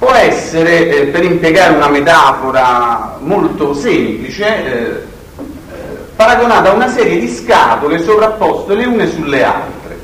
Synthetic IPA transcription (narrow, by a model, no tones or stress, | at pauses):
pwɔɛsːeɾepeɾimpjeɡaːɾeunamet̪aːfoɾamolt̪osemplit͡ʃe | paɾaɡonaːt̪aunasɛːɾjed̪iska̰ːt̪olesopɾapːɔst̪oleuːnesulːea̰lt̪ɾḛ